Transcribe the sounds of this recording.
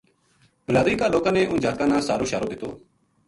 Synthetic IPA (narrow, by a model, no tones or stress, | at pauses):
bəlaːd̪iːkaːloːkãːnẽːʔʊnd͡ʒaːt̪̚kãːnãːsaːɾoːʃaːɾoːd̪ɪt̪oː